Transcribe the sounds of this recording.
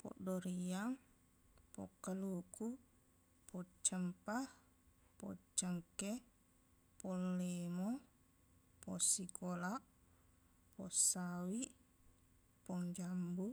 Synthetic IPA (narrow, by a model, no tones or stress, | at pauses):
pɔ̰ʔdoɾiaŋ | pɔ̰kːəluku | pɔt͡ʃəmpah | pɔ̰t͡ʃəŋke | pɔlːemo | pɔsikolaʔ | pɔsawi | pɔŋd͡ʒambu